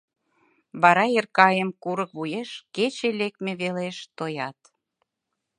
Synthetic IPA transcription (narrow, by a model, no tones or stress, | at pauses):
βɑɾɑerkɑjemkuɾəkβujeʃket͡ɕelek̪̚meβeleʃt̪ojɑt̪